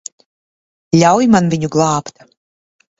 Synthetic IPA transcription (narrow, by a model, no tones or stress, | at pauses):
lʲawjmanvʲiɲuɡlˠɑːpt̪